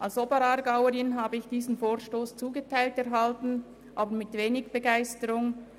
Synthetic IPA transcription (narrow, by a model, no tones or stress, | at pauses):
ʔalsɔbəɾɑɾɡaʊəɾɪnɦaːbəɪçd̥iːzn̩foːɾʃtoːst͡suːɡətʰaɪltɛɾɦaltn̩ | ʔaːbəɾmɪtveːnɪɡb̥əɡaɪstəɾʊŋ